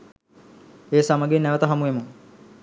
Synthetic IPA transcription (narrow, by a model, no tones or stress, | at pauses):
eːsamaɡenæʋət̪əɦamuʋemu